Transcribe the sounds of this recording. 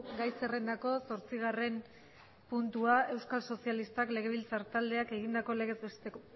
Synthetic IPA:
ɡajse̞re̞nd̪ako̞so̞ɾt͡siɣ̞are̞m | punt̪uae̞wskalso̞sialist̪akle̞ɣ̞e̞β̞ilt͡saɾt̪ald̪e̞ake̞ɣ̞ind̪ako̞le̞ɣe̞zet̪e

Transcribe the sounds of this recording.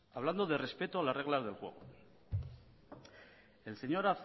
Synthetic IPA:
aβland̪o̞ðere̞spe̞t̪oalasre̞ɣ̞lazðe̞lxwe̞̰ɣ̞o̰ | e̞lse̞ɲo̞ɾaθ

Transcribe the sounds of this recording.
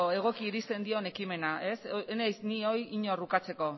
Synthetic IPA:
e̞ɣ̞o̞kiːɾist̪e̞nd̪io̞ne̞kime̞nae̞senajsnio̞jiɲo̞rukat͡se̞ko̞

